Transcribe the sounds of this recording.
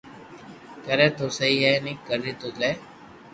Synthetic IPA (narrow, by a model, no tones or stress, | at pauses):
kəɾẽːt̪oːsəɦiːɦɛːnĩːkəɾiːt̪oːleː